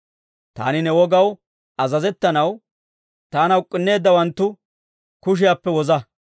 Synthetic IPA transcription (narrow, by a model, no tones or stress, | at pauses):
t̪a̰ːnɪnɛwɔɡɐw | ɐzɐzɛt̪ːɐnɐw | t̪aːnɐʊkʼːɪnːe̞ːd̪ːɐwɐnt̪ːʊ | kʊʃ̬ɪjaːpːɛwɔzɐ